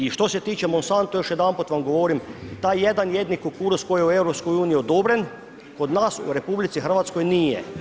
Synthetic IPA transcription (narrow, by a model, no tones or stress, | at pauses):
iʃt̪oset̪iːt͡ʃɛmonsant̪ujoʃjɛd̪aːmpot̪ʋamɡoʋoːɾimt̪aːjjɛd̪anjed̪nikokuːɾuskojeuewɾopskojuːnijiod̪obɾen | kod̪naːsṵɾepublit̪sixər̩ʋat̪skojniːjɛ̰